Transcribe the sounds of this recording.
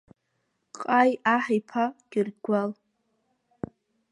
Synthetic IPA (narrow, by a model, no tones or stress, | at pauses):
qʼajaħajpʰaɡ̥ʲɪrɡʷal